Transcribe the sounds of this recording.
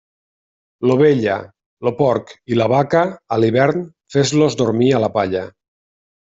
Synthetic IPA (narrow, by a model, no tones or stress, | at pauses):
loβeʎa̰ | lopɔɾkilaβakaːliβɛɾn | fezlozd̪oɾmialapaʎa